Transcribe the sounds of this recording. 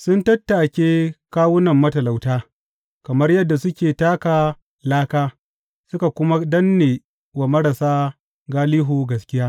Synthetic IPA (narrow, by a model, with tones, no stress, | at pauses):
sʊ˦ntɐ˦tːa˨kʲeː˦kaː˦wʊ˦nɐ˨mːɐ˦tɐ˨la˨wtaː˦ | kɐ˨mɐ˦rjɐ˦dːa˨sʊ˦kʲeː˨taː˦kaː˨ | laː˦kaː˦ | sʊ˦ka˨kʷʊ˦ma˦dɐ˦nːeː˨ | wa˨mɐ˦ɾa˨saː˦ | ɡaː˦liː˦ɦuː˨ɡɐ˨skʲɪ˦jaː˦